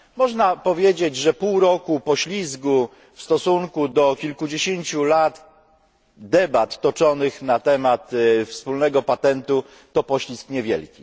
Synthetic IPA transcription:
mɔʐnapɔvʲjed͡ʑed͡ʑʐɛpuwɾɔkupɔɕlʲizɡu | fst̪ɔsuŋkud̪ɔkʲilkud͡ʑeɕeɲt͡ɕulat̪ | d̪ɛbat̪ːɔt͡ʂɔnɘxnat̪ɛmat̪fspulnɛɡɔpat̪ɛnt̪u | t̪ɔpɔɕlʲiskɲɛvʲjɛ̰lkʲi

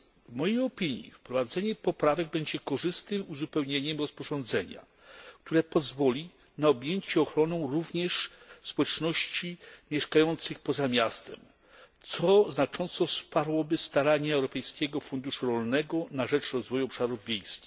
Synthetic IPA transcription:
vmɔjejɔpʲiɲḭfpɾɔvad̪zɛɲɛpɔpɾavɛɡ̚bɛɲd͡ʑɛkɔʐɘst̪ɘmuzupɛwɲeɲɛmɾɔspɔʐɔ̃nd̪zɛɲa̰ | kt̪uɾɛpɔzvɔlʲi | naɔbʲjeɲt͡ɕɛɔxɾɔnɔ̃w̃ɾuvɲɛʂ | spɔwɛt͡ʂnɔɕt͡ɕimʲjɛʂkajɔnt̪sɘxpɔzamʲjast̪ɛ̰m | t̪sɔznat͡ʂɔnt̪sɔspaɾwɔbɘst̪aɾaɲɛːwɾɔpɛjskʲɛɡɔfund̪uʂuɾɔlnɛɡɔnaʐɛt͡ʂɾɔzvɔjuɔpʂaɾuvvʲjejskʲi̥x

